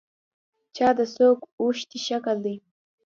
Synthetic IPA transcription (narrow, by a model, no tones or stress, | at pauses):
t͡ʃɑd̪əsokuʃt̪iʃakəld̪e